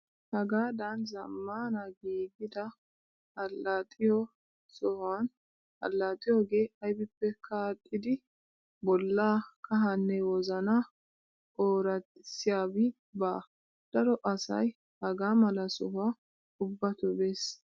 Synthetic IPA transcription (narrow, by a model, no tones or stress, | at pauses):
hɐɡaːd̪ɐnzɐmːaːnɐɡiːɡɪd̪ɐ | hɐlːɐt̪ʼɪjɔ | sɔhaːn | hɐ̰lːat̪ʼɪjɔɡe̞ːɐjbɪpːɛkʰaːt̪ʼːɪd̪ɪ | bɔlːaːkɐɦɐnːɛwɔzɐna | oːɾɐtsɪjaːbɪ | baː | d̪̥ɐɾɔʔɐsɐ̰j | hɐɡaːmɐlɐsɔɦʊa | ʊbːɐt̪ʊbeːs